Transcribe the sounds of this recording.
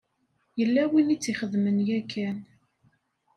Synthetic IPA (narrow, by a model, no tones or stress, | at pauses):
jəlːæwinit͡sːiχəðmənjækʰːæn